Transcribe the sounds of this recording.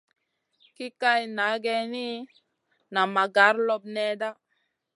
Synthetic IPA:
ki˦ka˦jna˨˦ɡɛ˧ni˦ | na˨ma˨ɡa˨˦ɾlo˦b̚nɛ˦da˦

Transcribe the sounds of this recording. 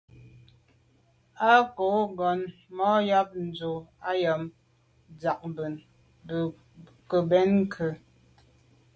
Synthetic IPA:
a˦ko˨˦ɡɔ˨nmɔ˦ja˦p̚n̩˨d͡zo˨a˦jə˨m | d͡za˨k̚bə˨n | b | kə˨bɛ˨˦nŋ˦kʰə˨

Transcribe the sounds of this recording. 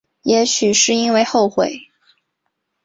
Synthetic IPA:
jɛ˧˥ɕy˨˩ʂɻ̩˥˩i˥nwe˥˧ɪxo˥˩ʊxwe˨˩ɪ

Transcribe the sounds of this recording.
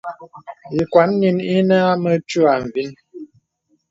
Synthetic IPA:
i˨kwa˨˦nːi˨ni˦nə˦a˦mə˦t͡ʃu˦a˨ɱ˨vi˦n

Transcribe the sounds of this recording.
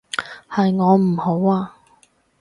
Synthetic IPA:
hɐ˨jŋɔː˨˧m̩˨˩ho˨˥waː˧

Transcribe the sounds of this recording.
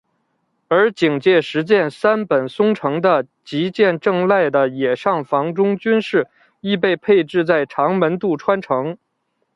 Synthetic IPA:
ə˞˧˥t͡ɕi˨˩ŋt͡ɕjɛ˥˩ʂɻ̩˧˥t͡ɕjɛ˥˩nsa˥npə˨˩nsʊ˥ŋʈ͡ʂʰɤ˧˥ŋd̪ə˧ | t͡ɕi˧˥t͡ɕjɛ˥˧nʈ͡ʂɤ˥˧ŋla˥˩ɪd̪ə˩jɛ˨˩ʂɑ˥˩ŋfɑ˧˥ŋʈ͡ʂʊ˥ŋt͡ɕy˥nʂɻ̩˥˩ | i˥˧pe˥˧ɪpʰe˥˧ɪʈ͡ʂɻ̩˥˧t͡sa˥˩ɪʈ͡ʂʰɑ˧˥ŋmə˧˥nt̪u˥˩ʈ͡ʂʰwa˥nʈ͡ʂʰɤ˧˥ŋ

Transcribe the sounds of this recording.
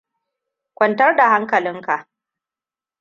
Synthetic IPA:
kʷɔ˨ntɐ˦rda˨ɦa˦ŋkɐ˨lɪ˦ŋka˨ʔ

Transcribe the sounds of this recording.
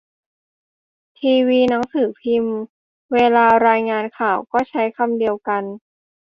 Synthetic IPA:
t̪ʰiː˧wiː˧na˦˥ŋsɯː˨˩pʰi˧m | weː˧laː˧ɾaː˧jŋaː˧nkʰaː˨˩wkɔː˥˩t͡ɕʰa˦˥jkʰa˧mdi˧əwka˧n

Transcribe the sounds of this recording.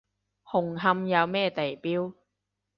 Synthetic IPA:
hʊ˨˩ŋɦɐ˧mjɐ˨˧wmɛː˥˩t̪e˨jpiː˥w

